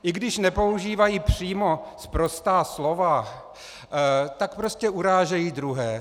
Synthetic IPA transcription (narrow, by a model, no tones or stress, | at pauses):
ʔɪɡdɪʃnɛpo̞uʒiːvajiːpr̝̥iːmo̞spɾo̞st̪aːslo̞va | t̪ak̚pɾo̞scɛʔuɾaːʒɛjiːd̪ɾuɦɛː